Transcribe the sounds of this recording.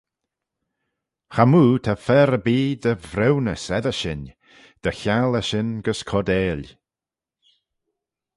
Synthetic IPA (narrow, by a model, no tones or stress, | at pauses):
xamuːt̪ʰafɛɾəbiːd̪əvɾɛwnəsɛðəʃɪn | d̪̥əçaləʃɪnɡəskʰɔd̪eːlʲ